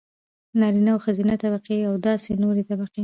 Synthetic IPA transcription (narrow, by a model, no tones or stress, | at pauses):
nɑɾinawxazinat̪aβaqiawd̪ɑsenoɾet̪abaqi